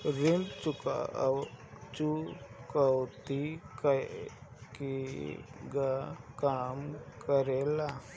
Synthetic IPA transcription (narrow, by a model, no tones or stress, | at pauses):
ɾimt͡ʃuka̰ | t͡ʃukawt̪ik | ki | ɡakamkəɾɛla